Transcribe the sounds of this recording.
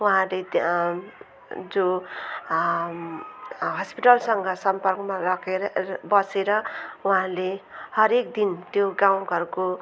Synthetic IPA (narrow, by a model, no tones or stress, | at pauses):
wuɦãle | d͡zo | ɦʌspiʈʌlsʌŋɡʌsʌmpʌrkmarʌkʰebʌseɾʌuɦãlehʌɾekd̪int̪joɡaw̃ɡʱʌɾuko